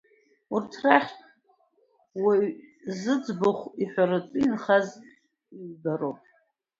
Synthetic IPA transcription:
urtʰraχʲtʼ | wizɨd͡zbʊχʷiħʷᶣaɾat͡sʷʼinχaz | ibaɾowpʼ

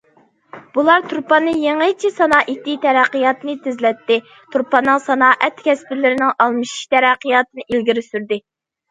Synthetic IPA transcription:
b̥ulˠɑɾt̪ʰuɾpɑnɨjeŋəjt͡ʃʰisɑnɑːʔit̪it̪ʰɛɾæqːijɑt̪ɨnɨt̪ʰɪzlɛt̪ːɪ | t̪ʰuɾpɑnːɨŋsɑnɑːʔɛt̪kʲʰɛspɪlɪɾɪnɪŋɑlˠmɨʃi̥ʃt̪ʰɛɾæqːɨjɑt̪ɨnɨilɡʲiɾɪsyɾd̪ɪ

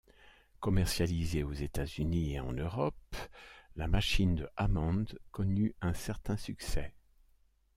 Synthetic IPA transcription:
kɔmɛʁsjalizeozet̪azynieɑ̰̃nøʁɔp | lamaʃind̪əʔamɑ̃d̪kɔnyɛ̃sɛʁt̪ɛ̃syksɛ̰

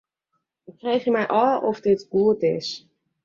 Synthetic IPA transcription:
ɪkrejχjəmɛjʔɔlˠɔfdɪtɡ̥uətɪs

